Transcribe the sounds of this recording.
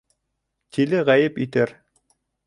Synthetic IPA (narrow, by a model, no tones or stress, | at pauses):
t̪ʰilɘʁæjɘpit̪æɾ